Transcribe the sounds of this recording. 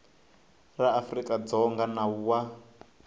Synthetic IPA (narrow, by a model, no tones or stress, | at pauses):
raːfrikʼad͡zɔŋɡanawa